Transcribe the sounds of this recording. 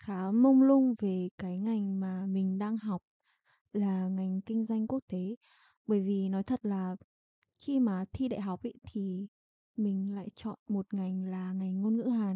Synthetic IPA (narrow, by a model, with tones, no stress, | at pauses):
xaː˨˦mə˧wŋ͡mlʊ˧ŋ͡mve˨˩kaː˨˦jŋa˨˩jŋ̟maː˨˩mï˨˩ŋ̟ɗaː˧ŋɦa˨˩wk͡p̚ | laː˨˩ŋa˨˩jŋ̟kï˧ŋ̟zwa˧jŋ̟ku˦˥ək̚t̪e˨˦ | ɓəː˧˩jvi˨˩nɔ˨˦jt̪ʰə˨˩t̚laː˨˩ | xi˧maː˨˩t̪ʰi˧ɗa̰˧˨jɦa˨˩wk͡p̚ʔə̰˧˦jt̪ʰi˨˩ | mï˨˩ŋ̟la̰ː˧˨jt͡ɕɔ̰˧˨nmo˨˩t̚ŋa˨˩jŋ̟laː˨˩ŋa˨˩jŋ̟ŋo˧nŋɨ̰˧˥ɦaː˨˩